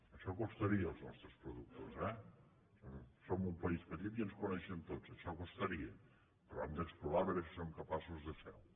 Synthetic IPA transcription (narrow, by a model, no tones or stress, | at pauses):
əʃɔkust̪əɾiəːlˠznɔ̰st̪ɾəspɾuðuk̚t̪ozɛ | somsomumpəispət̪it̪iənskunɛʃənt̪od͡zəʃɔkust̪əɾiə | pəɾɔɛmd̪əkspluɾaβəɾəsi̥somkəpasuzðəfɛ̰w